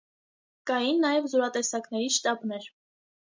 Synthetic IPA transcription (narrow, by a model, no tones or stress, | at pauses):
kɑjinːɑjɛvzɔɾɑt̪ɛsɑknɛɾiʃt̪ɑbnɛɾ